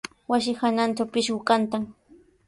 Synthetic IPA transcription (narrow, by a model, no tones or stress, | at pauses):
was̬ɪxananʈ͡ʂawpɪʃɢʊkant̪aŋ